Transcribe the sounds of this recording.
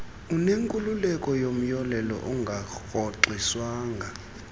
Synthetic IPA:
uneŋkʼululɛkʼɔjom̩jɔlɛlɔ̰ʔuŋɡʱaɣɔǃiswaːŋa

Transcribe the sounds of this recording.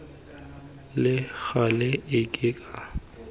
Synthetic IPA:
lɪɣalɛɪkʼɪkʼa

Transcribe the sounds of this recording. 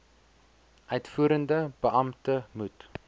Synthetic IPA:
ʔœɥtfuːəɾəndəbəʔɐmtəmut

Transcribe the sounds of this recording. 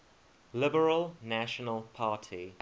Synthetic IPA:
lɪbəɹəlˠnæʃənəlˠpʰɑːˑtʰi

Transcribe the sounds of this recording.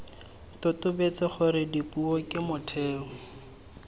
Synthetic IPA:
tʊtʊbet͡sɛχʊɾɪdipʼuɔkʼɪmʊtʰeːʊ

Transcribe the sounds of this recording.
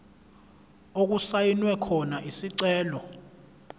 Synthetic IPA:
ok̬usajinwɛkʰɔnaʔisiǀɛːlɔ

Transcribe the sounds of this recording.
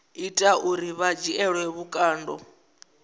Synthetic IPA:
itʼauɾiβad͡ʒiɛɺwɛβukʼaːndɔ̰

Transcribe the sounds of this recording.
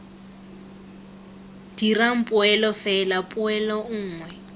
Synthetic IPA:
d̥iraŋ̩pʼʊɛlɔfɛlapʼʊɛlɔŋ̩ːŋwɛ

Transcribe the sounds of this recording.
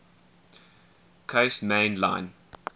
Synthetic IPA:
kʰesmẽɪ̃nlã̰ɪ̃n

